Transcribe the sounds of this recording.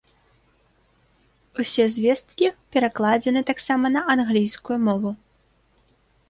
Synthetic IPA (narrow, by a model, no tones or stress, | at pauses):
usʲɛzʲvʲɛst̪kʲipʲɛɾaklˠad͡zʲɛnɨt̪aksamɐnɐʔanɣlʲijskujumɔvu